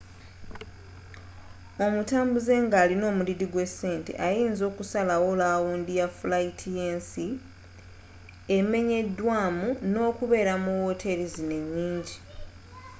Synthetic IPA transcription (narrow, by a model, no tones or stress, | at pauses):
o̞mutaːmbuze̞ːŋɡaːlino̞ːmuliɾiɡwe̞se̞ːnte̞̰ʔajiːnzo̞ːkusalawolaːwuːndijafulaitʰijeːnsi | e̞me̞ɲe̞dːwaːmuno̞ːkuβe̞ːɾamuwo̞tʰe̞ɾizine̞ɲːiːɲɟi